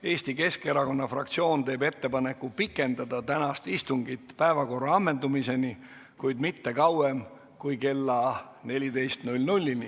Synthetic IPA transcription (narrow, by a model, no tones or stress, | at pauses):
e̞ːsʲt̪ike̞ske̞ɾɑko̞nːɑfrɑ̰k̚t̪sio̞ːnt̪e̞ːbe̞t̪ːe̞pɑne̞kːˑupikːˑe̞nd̪ɑd̪ɑt̪ænɑst̪ist̪uŋɡit̪ːpæevɑko̞rːɑɑmːe̞nd̪umise̞ni | kujd̪mit̪ːe̞kɑwe̞m | kujke̞lːɑ | ne̞lʲid̪e̞jst̪nulʲnulʲːini